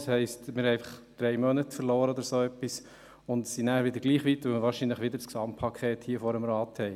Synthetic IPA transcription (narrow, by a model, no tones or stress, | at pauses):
shɛɪstmɪɾhɛæɪfɑ̥χd̥ɾɛɪmœnətfəɾloːɾəɔd̪əɾsoːœpːis | ʊnd̪sinæːɾʋɪd̪əɾɡ̥liːχʋitʋɵlməɾʋɑːɾʃinləχʋɪd̪əɾsksɑmpʰːɑkʰχeːthiːəfɔɾəmɾɑːthɛɪ